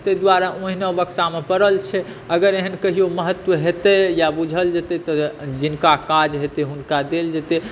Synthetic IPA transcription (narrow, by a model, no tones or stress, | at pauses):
t̪ed̪waɾaʔõɦinəbəksamepəɾəlt͡ʃʰɛ | əɡəɾeɦənkəɦijoməɦət̪ʋəɦet̪ɛjabud͡ʒʱəld͡ʒet̪ɛt̪ɔd͡ʒinkakad͡ʒɦet̪eɦunkad̪eld͡ʒet̪e